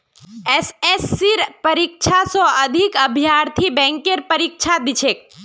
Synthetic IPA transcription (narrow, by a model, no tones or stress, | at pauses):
esesːiɾpəɾik̚t͡ʃʰasoəd̪ʱikəbʱjaɾt̪ʰibɛ̃ŋkeɾpəɾik̚t͡ʃʰad̪it͡ʃʰek̚